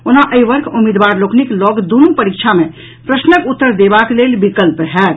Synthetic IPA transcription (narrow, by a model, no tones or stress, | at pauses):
onaʔəjʋəɾkumid̪ʋaɾlokniklɔɡd̪unupəɾikt͡ʃʰame | pɾəsnəkut̪ːəɾd̪ebaklelbikəlpɦɛ